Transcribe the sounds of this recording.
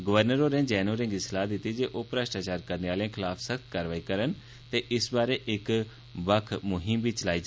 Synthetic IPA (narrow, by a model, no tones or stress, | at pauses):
ɡəʋəɾnəɾoːɾẽːd͡ʒɛːnoːɾɪ̃ŋɡɪslaːd̪ɪt̪id͡ʒeːʔoːpɾəsʈaːt͡ʃaːɾkəɾneaːlãːkʰɪlaːpʰsəkʰt̪kaːɾʋaːiːkəɾən | t̪eːʔɪsbaːɾeːʔɪk | ʋəkʰmʊɦɪmbʱiːt͡ʃəlaːid͡ʒ